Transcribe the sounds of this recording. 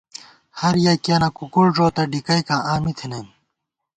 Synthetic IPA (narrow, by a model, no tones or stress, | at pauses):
hɐɾjɐkanɐkukuɽʐoːt̪ɐɖikɐjkãːʔaːmit̪ʰinem